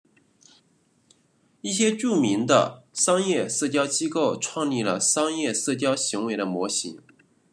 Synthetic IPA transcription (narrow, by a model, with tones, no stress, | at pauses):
i˥˩ɕjɛ˥ʈ͡ʂu˥˩mi˧˥nd̪ə̰˧ʂɑ˥ŋjɛ˥˧sɤ˥˩t͡ɕjɑ˥ʊt͡ɕi˥ko˥˩ʊʈ͡ʂʰwɑ˥˧ŋli˥˩lə̰˩ʂɑ˥ŋjɛ˥˧sɤ˥˩t͡ɕjɑ˥ʊɕi˧˥ŋwe˧˥ɪɾə˧mwɔ˧˥ɕḭ˧˥ŋ